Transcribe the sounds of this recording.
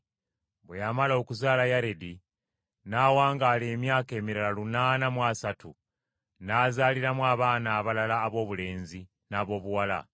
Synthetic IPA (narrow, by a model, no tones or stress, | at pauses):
βwejamalo̞kuzaːlajaɾedi | naːwaːŋɡaːleːmjaːke̞ːmiɾalalunaːnamwasatṵ | naːzaːliɾamwaːβaːnaːβalalaːβo̞ːβule̞ːnzi | naːβo̞ːβuwala̰